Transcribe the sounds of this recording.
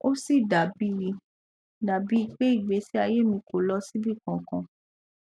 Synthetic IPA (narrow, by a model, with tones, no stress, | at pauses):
o˦si˦˨da˨bi˦i˧ | da˨bi˦i˧k͡pe˦i˦˨ɡ͡be˨˦si˦a˧je˦mĩ˧ko˨lɔ˦si˦bi˦˨kɔ̃˨kɔ̃˧